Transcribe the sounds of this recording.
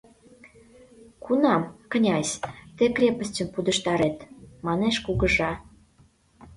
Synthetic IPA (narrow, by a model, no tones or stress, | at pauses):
kunɑmkənʲɑsʲt̪ekrʲepəsʲtʲə̆mpud̪əʃt̪ɑɾet̪mɑneʃkuɣə̆ʒɑ